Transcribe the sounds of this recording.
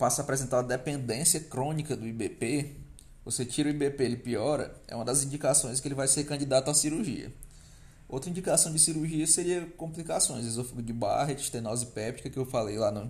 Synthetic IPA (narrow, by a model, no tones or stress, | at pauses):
pasɐaːpɾɛzẽnt̪aɾɐd̪ɛpẽnd̪ẽsiɐkɾõnikɐd̪ʊibepe | voset͡ʃiɾʊibepeelɪpiɔɾɐ̰ɛ̰ũmɐd̪ɐzĩd͡ʒikasõj̃s̬kɪelɪvajseɾkɐ̃nd͡ʒid̪at̪ʊasiɾuɾʒḭɐ̰ | owt̪ɾɐĩd͡ʒikasɐ̃w̃d͡ʒɪsiɾuɾʒiɐseɾiɐkõmplikasõj̃zezewfikʊd͡ʒɪba̰ɦet͡ʃɪ̥ʃt̪ẽnɔzipɛpt͡ʃikɐkɪewfalejlanɐ